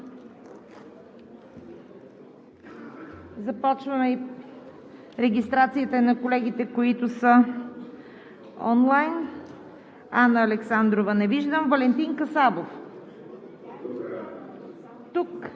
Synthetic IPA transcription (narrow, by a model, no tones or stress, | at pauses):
zɐpɔt͡ʃvəmɛi | ɾɛɡʲist̪ɾat̪siət̪ənɐkolɛɡ̟it̪ɛkoit̪ʊsə | ɔ̰nlˠajn | anəːlɛksand̪ɾovənɛviʒd̪əmvɐlɛnt̪inkəsabof | t̪uk